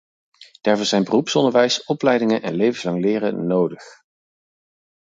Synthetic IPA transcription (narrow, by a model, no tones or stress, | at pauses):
d̥aːɹvɔːzɛjnbərupsɔndəɹʋɛjsɔplɛjdɪŋənʔɛnlejvəslɑŋlɪːrə̰nowdəχ